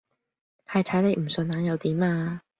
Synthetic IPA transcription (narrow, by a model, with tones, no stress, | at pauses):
hɐ˨jt̪ʰɐ˨˥jne˨˧jm̩˨˩sɵ˨˧nːaː˨˥njɐ˨˧wt̪iː˨˥maː˧